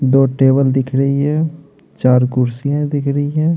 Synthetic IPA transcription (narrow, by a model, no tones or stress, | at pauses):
d̪oːʈeːbəld̪ɪkʰɾəiɦɛ̃ː | t͡ʃaːɾkʊɾsijãd̪ɪkʰɾəiɦɛ̃ː